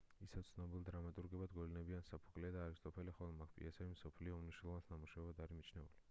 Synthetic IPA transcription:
isɛwt̪sʰnɔbilˠd̪ɾamat̪ʼuɾɡɛbad̪ɡɔlinɛbiansapʰu̥kʼliad̪aːɾist̪ʼɔpʰɛliχɔlˠmakʰpʼḭasɛvimsɔpʰliɔmniʃnɛlˠɔvasnamuʃavɛbad̪aɾimit͡ʃʰnɛṵli

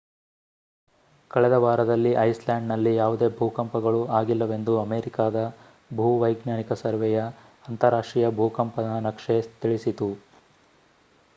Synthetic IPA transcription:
kɐɭɛd̪ɐʋaːɾɐd̪ɐlːiʔɐjslaːɳɖnɐlːijaːʋud̪e̞ːbʱuːkɐmpɐɡɐɭuaːɡilːɐʋe̞nd̪uɐmeːɾikaːd̪ɐ | bʱuʋɐjɡnaːnikɐsɐɾʋɛjɐ | ɐnt̪ɐɾaːʂʈɾijɐbʱuːkɐmpɐnɐnɐkʂet̪iɭisit̪u

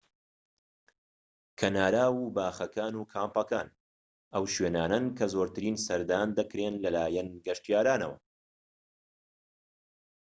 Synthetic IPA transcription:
kʰɐnaːɾaːwuːbaːxɐkʰaːnuːkʰaːmpɐkaːn | ʔɐwʃweːnaːnɐnkʰɐzoːɾt̪ʰɨɾiːnsɐɾd̪aːnd̪ɐkɾeːnlɐlaːjɛnɡɐʃt̪ijaːɾaːnɐ̰wɐ̰

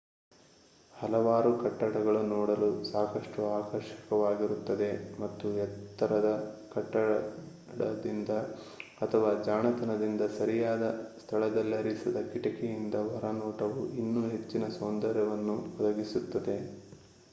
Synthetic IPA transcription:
hɐlɐʋaːɾukɐʈːɐɽɐɡɐɭunɔːɽɐlusaːkɐʂʈuaːkɐɾʃi̥kɐʋaːɡiɾut̪ːɐd̪e̞mɐt̪ːujɛt̪ːɐɾɐd̪ɐkɐʈːɐɽɐ | ɽɐ̰d̪ind̪ɐ | ɐt̪ʰɐʋaːd͡ʒaːɳɐt̪ɐnɐd̪ind̪ɐsɐɾijaːd̪ɐst̪ʰɐɭɐd̪ɐlːiɐɾisɐd̪ɐkiʈɐkɛjind̪ɐʋɐɾɐnɔːʈɐʋuʔinːuɦe̞t͡ʃːinɐsoːnd̪ɐɾɛʋɐnːuɔd̪ɐɡisut̪ːɐd̪e̞

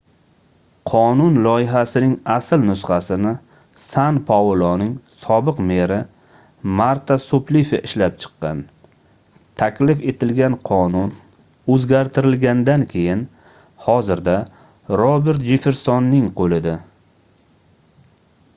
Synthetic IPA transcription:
qʰɒnʊnlˠɒjɪɦasɪnɪŋasɪlnʊsχasɪnɪ | sanpʰɒlˠɔnɪŋsɒbɪqmeɾɪ | maɾt̪ʰasoplifeʔɪʃlap̚t͡ʃʰɨ̥qːɑn | t̪ʰakʲlɪfe̞t̪ʰɪlɡʲanqʰɒnʊn | ɵzɡʲaɾt̪ʰɪɾɪlɡʲand̪ankʲʰe̞jɪn | hɒzɪɾd̪a | ɾɒbe̞ɾt̪̚d͡ʒɪfɪɾsɒnːɪŋqʰolɪd̪a

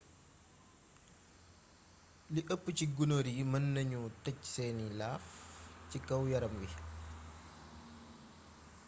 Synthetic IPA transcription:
liʔəpːciɡunoɾimɐnːɐɲutɐcsɛːnilaːfcikɐwjɐɾɐmwi

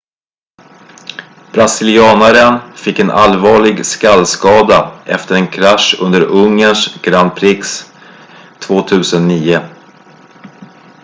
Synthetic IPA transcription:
b̥ɾasɪlɪɑːnaɾənfɪkːɛnʔa̰lvɑːɭɪɡskalːskɑːd̪aʔɛft̪əɾɛnkʰɾaʂɵ̰nd̪əɾɵŋːəɳʂɡɾand̪̚pʰɾɪks | t̪ʰvoːt̪ʰʉ̟ːsənːiːʊ

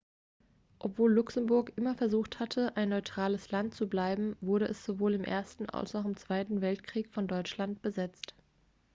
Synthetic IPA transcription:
ʔɔpv̥oːlːʊksm̩bʊɐkʔɪmɐfɛɐzuːxthatʰəʔaɪnːɔʏtʁ̥aːləslant̚t͡sublaɪbm̩vʊɐɾəʔɛsz̥ovoːlɪmʔḛːɐstn̩a̰lsaʊχɪmt͡sv̥aɪtn̩vɛltkʁ̥iːkfɔndɔʏt͡ʃlant̚b̥əzɛt͡st

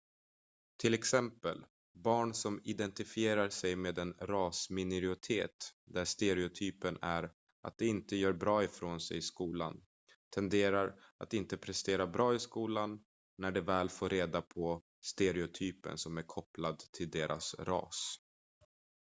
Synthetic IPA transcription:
t̪ʰɪlɛksɛmpəl | bɑːɳsɔmɪd̪ɛnt̪ɪfɪeːɾaɾsɛjmeːd̪ɛnɾɑːsmɪnɛɾɪʊt̪ʰeːt̪d̪æʂt̪eɾɛʊt̪ʰyːpənæɾ | ʔa̰t̪̚d̪ɛɪnt̪əjœːɾbɾɑːɪfɾoːnsɛ̰jɪskuːla̰n | t̪ʰɛnd̪eːɾaɾa̰t̪ɪnt̪əpʰɾɛst̪eːɾabɾɑːɪskuːlanː | æɖɛvɛːlfoːɾeːd̪apʰɔ | st̪eɾɛʊt̪ʰyːpə̰nsɔmæɾkʰɔplad̪t̪ʰɪld̪eːɾʔa̰sɾɑ̰ːs

